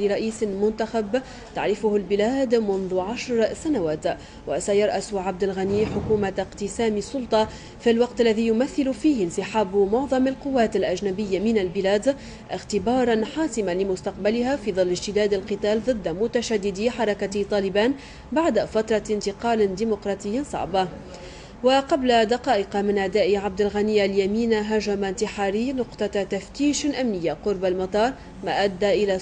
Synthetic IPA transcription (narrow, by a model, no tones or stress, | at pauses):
lɪɾˤɑʔiːsmʊnt̪axab | t̪aʕɾɪfʊhalbɪlaːd̪mʊnðʊʕaʃɾsanawaːt̪ | wasajɑɾˤʔasʊʕab̚d̪alɣaniːħʊkuːmaqt̪ɪsaːmisˤːʊlt̪ˤɑ | fɪlwɑqt̪alːaðijʊmaθːɪlʊfiːhɪnsɪħaːbmʊʕðˤɑmalqʊwːaːt̪alʔad͡ʒnabɪjːamɪnalbɪlaːd̪ | ʔɪxt̪ɪbɑːɾˤɑnħɑːsɪmalɪmʊst̪ɑq̚balɪhafiːðˤɨlːɪd͡ʒt̪ɪd̪aːd̪alqɨt̪aːlðˤɨd̪ːmʊt̪aʃad̪ːɪd̪iħɑɾˤɑkat̪ˤɑːlɪbaːn | baʕd̪afat̪ɾˤɑɪnt̪ɪqɑːld̪iːmʊqɾˤɑːt̪ˤɪjːasˤɑ̰ʕbɑ | waqɑblad̪ɑqɑːʔɪqɑmɪnʔad̪aːʔɪʕab̚d̪alɣaniːʔaljamiːnaɦaʒamant̪ɪħaːɾiːnʊqt̪ˤɑt̪aft̪iːʃʔamnɪjːaqʊɾbalmɑt̪ˤɑːɾˤ | maːʔad̪ːaʔɪla